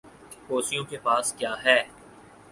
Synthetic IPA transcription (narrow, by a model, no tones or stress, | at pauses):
koːsijõkepaːskjaːɦɛː